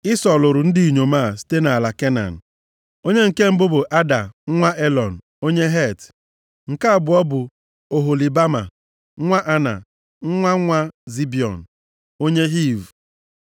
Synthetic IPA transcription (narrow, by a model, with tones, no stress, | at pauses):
i˦sɔ˨lʊ˨ɾʊ˨n̩˦di˦˨i˨ɲo˨ma˦˨si̥˦te˦na˨a˨la˨ke˦na̰˨n̩˨ | o˦ɲe˦ŋ̩˨ke˦m̩˦bʊ˦bʊ˨ʔa˦da˨˦ŋʷa˦ʔe˦lɔ˨n̩˨ | o˦ɲe˦ɦe˦˨t | ŋ̩˨ka˦a˨bʊ˨ɔ˦bʊ˨ | o˨ɦo˨li˨ba˦ma̰˨˦ | ŋʷa˦ʔa˦na̰˨ | ŋ̩˦ŋʷa˦ŋʷa˦zi˦bi˨ɔ̰˨n̩˨ | o˦ɲe˦ɦi˦˨v